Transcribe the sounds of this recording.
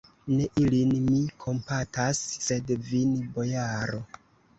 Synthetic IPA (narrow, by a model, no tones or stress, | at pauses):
ne̞ʔilinmikʰo̞mpatasːe̞dvinbo̞jaɾo